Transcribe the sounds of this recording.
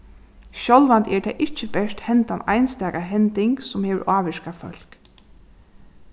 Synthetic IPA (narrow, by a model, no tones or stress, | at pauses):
ʃɔlʋant̪ʰɛɹt̪ʰɛːʔɪt͡ʃːəbɛʂt̪hɛnt̪ana̰jnst̪ɛːkaɦɛnt̪ɪŋksʊmheːʋəɹʔaːʋɛʃkafœ̰l̥k